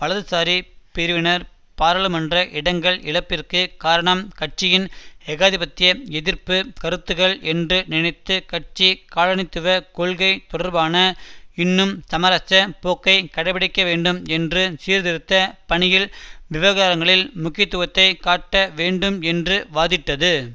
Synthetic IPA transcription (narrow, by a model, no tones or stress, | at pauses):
ʋɐɭɐðɯsaːɾipɪɾɯʋɪnɐɾ | paːɾɐɭɯmɐndrɐʔɪɽɐŋɡɐɭɪɭɐpːɪrkɯkaːɾɐɳɐmkɐʈ̚t͡ʃɪjɪnɛɣaːðɪpɐt̪ːɪjɐɛðɪɾpɯkɐɾɯt̪ːɯɣɐɭɛndrɯnɪnɐɪt̪ːɯkɐʈ̚t͡ʃikaːlɐɳɪt̪ːɯʋɐkɔɭɣɐɪt̪ɔɽɐɾbaːnɐɪnːɯmsɐmɐɾɐt͡ʃːɐpoːkːɐɪkɐɽɐpɐɽɪkːɐʋeːɳɖɯmɛndrɯsiːɾðɪɾɯt̪ːɐpɐɳɪjɪlʋɪʋɐɣaːɾɐŋɡɐɭɪlmʊkːɪt̪ːɯʋɐt̪ːɐɪkaːʈːɐʋeːɳɖɯmɛndrɯʋaːðɪʈːɐðɯ